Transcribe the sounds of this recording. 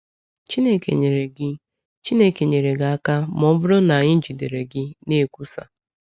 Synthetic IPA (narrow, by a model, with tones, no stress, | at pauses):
t͡ʃi˦ne˦kḛ˨ɲe˨ɾe˨ɡɪ˦ | t͡ʃi˦ne˦ke˨ɲe˨ɾe˨ɡa˨a˦ka˦mɔ˦bʊ˦ɾʊ˦na˨ɲɪ˦n̩˦d͡ʒi˨de˨ɾe˨ɡɪ˦ne˦˨kʷu˦sa̰˨